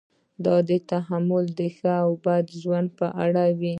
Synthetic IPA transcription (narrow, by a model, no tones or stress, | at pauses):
d̪ɑd̪ət̪aɦamʊld̪əxəawbad̪ʒwand̪̚pəʔaɽawi